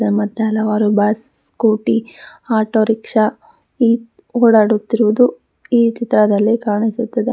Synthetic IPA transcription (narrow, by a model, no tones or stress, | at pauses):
emɐt̪ːeɦɐlɐʋaːɾubaːs | koːʈiaːʈoːɾikʂɐ | iː | oːɽaːɽut̪ːiɾʋud̪u | iːt͡ʃit̪ɾɐd̪ɐlːikaːɳisut̪ːɐd̪e